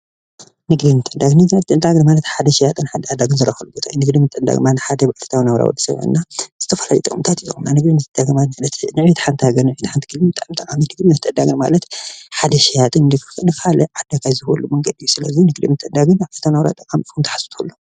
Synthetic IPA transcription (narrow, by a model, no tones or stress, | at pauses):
nɨɡd̪inɨt̪ʼːɐd̪aɡnɨmɨt̪ʼːɐnd̪aɡnmalɐt̪ħad̪ɐʃijat̪ʼɨnħad̪ɐad̪aɡɨnzɨɾɐxɐlubot̪ʰajunɨɡd̪imɨt̪ʼːɐnd̪a̰ɡɨmanɨħad̪ɐbaʕlɨ̥t̪ʰawinawɾa̰wɔ̰d̪ɐsɐ̰βɨ̰nːaz̥ɨt̪ʰɐfɐlaljit̪ʼɨ̰kʼɨmt̪ʰat̪ijunanɨɡd̪inɨt̪ʼɐd̪aɡnmamalɐt̪nɨʕβit̪ħant̪ʰhaɡɐnɨʕβit̪ħant̪ɨ̥kʰɨlimɨt̪ʼːmt̪ʼɐkʼaminɨɡd̪inɨt̪ʼɐd̪aɡɨnma̰lɐt̪ħad̪ɐʃijat̪ʼɨnnɨknɨkalɐʕad̪akʰajzɨxolːumɐŋɡɐd̪ijːusɨlɐzinɨɡd̪ḭmɨt̪ʼːɐd̪aɡɨnat̪ʰanawɾa̰t̪ʼɐkʼamikumt̪ʰɐ̥ħḁsɨt̪ʰulːo